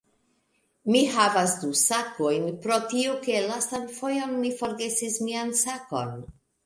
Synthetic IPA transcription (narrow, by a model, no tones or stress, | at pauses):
miɦavasdusakojnpɾo̞tioke̞lastanfo̞jo̞nmifo̞ɾɡe̞sismiansako̞̰n